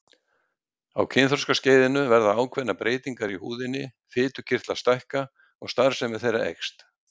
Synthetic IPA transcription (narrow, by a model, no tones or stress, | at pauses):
a̰wcʰɪnθɔɾskasceːjðɪnʏvɛɾðaaːwkʰvɛnːapɾʔeːjt̪iŋkaɾihuːðɪnːɪ | fɪːt̪ʏ̥cʰɪr̥t̪last̪ajhka | ɔɣst̪aɾ̥sɛmːɛðθejɾa̰ʔɛ̰kst̪